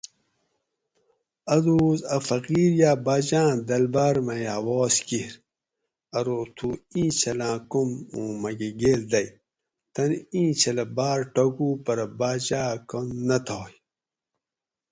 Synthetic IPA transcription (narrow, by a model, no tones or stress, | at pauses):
ɐd̪uːzɐfɐqiːɾjaːbaːd͡ʑãːd̪ɐlbaːɾmɐjɐwɔːskiɾ | ɐɾot̪ʰuĩːt͡ɕʰɐlãːkumũːmɐɡeɡeːld̪ɐj | t̪ɐnĩːt͡ɕʰɐlɐbaːɾʈoɡuːpɐɾɐbaːd͡ʑaːkonːɐt̪ʰaːj